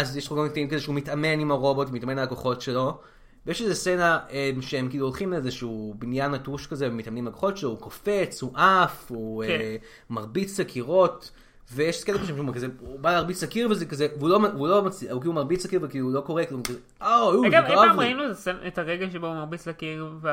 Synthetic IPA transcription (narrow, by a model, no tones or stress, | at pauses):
azjeʃlauɡamkt̪aimkazeʃeumitame̞nimaʁo̞bo̞tvmitame̞nalakoχo̞tʃe̞lo̞ | vejeʃezesenaemʃeemkiːluolχimleezeʃuubinjanatuʃkazevemit̪amnimalakoχo̞tʃeloukofe̞t͡shuʔafu | maʁbit͡slakʰiʁo̞t | vejeʃkelekaʃimʃumkazeubaleːʁbit͡slakiʁvezekazevulo̞mulo̞mat͡sliaukilumaʁbit͡slakiʁvekiːluulo̞ko̞ʁekkaze | ʔajuɡaaaʁainuetasenetaʁeɡaʃeboumɐʁbit͡slakiʁve